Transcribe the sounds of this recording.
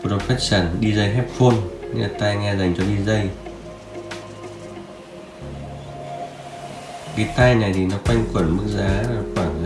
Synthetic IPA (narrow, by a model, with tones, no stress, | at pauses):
o˨˧˩ɗo˨˩faː˦˥t̚saː˧˩nɗi˧zə˧jɦɛ˦˥p̚fo˧n˧a˨˩t̪a˧jŋɛ˧za˨˩jŋ̟t͡ɕɔ˧ɗi˧zə˧j | ki˨˦t̪a˧jna˨˩jt̪ʰi˨˩nɔ˨˦kwa˧jŋ̟kwə˧˩nmɨ˦˥k̚zaː˨˦˨kwaː˧˩n˧